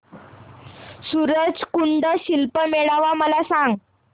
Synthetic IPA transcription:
suɾəd͡zkuɳɖəɕilpəmeɭaʋaməlasãŋɡ

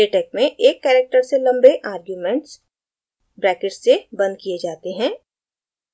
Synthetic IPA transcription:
eʈɛːk̚mẽʔeːkːɛːɾek̚ʈəɾselɐ̃mbeʔaːɾɡjuːmɛ̃ɳʈs | bɾɛːkɪʈsebɐ̃nd̪̚kied͡ʒaːt̪eɦɛ̃ː

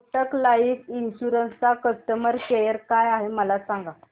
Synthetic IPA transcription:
ʈəklaikinɕuɾənst͡sakəst̪əməɾkejəɾkajaɦeməlasaŋɡa

